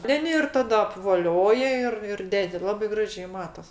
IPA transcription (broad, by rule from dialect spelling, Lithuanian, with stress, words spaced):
ˈtʲɛn ɪr ˈtɑːdɐ ɐpʋoːˈlʲoːjɛ ˈɪr ɪr ˈdʲæːdʲɪ ˈlˠɑːbɐɪ ˈɡrɑːʒʲɛɪ ˈmɑːtɐs